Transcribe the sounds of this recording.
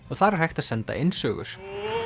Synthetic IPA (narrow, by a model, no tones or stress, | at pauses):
ɔɣθaɾɛɾ̥hajxt̪aðsɛnt̪a̰ʔejnsœːɣʏ̰ɾ̥